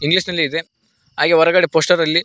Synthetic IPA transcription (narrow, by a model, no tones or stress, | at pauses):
iŋɡlisnɐlːiːd̪e̞ | ɦaːɡeʋɔɾɐɡɐɽe̞poːsʈɐɾɐlːi